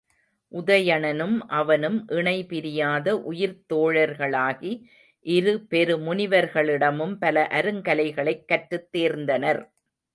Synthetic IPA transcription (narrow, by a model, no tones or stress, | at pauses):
ʔʊðɐjɐɳɐnɯmʔɐʋɐnɯmʔɪɳɐɪpɪɾɪjaːðɐʔʊjɪɾt̪oːɻɐɾɣɐɭaːɣi | ʔɪɾɯpɛɾɯmʊnɪʋɐɾɣɐɭɪɽɐmɯmpɐlɐʔɐɾɯŋkɐlɐɪɣɐɭɐɪkːɐʈːɾɯt̪ːeːɾnd̪ɐnɐɾ